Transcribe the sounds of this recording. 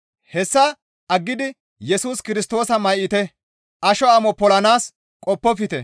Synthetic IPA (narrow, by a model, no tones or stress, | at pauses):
hɛsːɐ | ʔɐɡːɪd̪ɪ | jɛsuːskɪɾɪst̪o̞ːsɐmɐjʔɪt̪ɛ | ʔɐʃɔɐmɔpɔlɐnaːs | kʼɔpːɔfɪt̪ɛ